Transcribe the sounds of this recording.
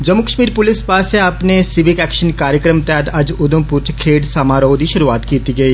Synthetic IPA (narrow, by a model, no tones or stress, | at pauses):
d͡ʒəmʊkəʃmiːɾpʊlɪspaːseaːpnesɪʋɪkɛːkʃənkaːɾjəkɾəmt̪ɛd̪ɐd͡ʒʊd̪ə̃mpʊɾt͡ʃkʰeːɖsaːmaːɾəod̪iːʃʊɾuaːt̪kiːt̪iɡəiː